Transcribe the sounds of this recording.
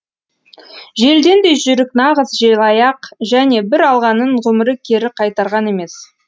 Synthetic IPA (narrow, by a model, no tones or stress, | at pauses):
ʒe̞ld̪e̞nd̪e̞ʒʏɾɪknɑʁəzʒelˠɑjɑqʒæne̞bɪɾɑlˠʁɑnəɴʁɵmɪɾɪkʲʰe̞ɾɪqʰɑjt̪ɑɾʁɑne̞me̞s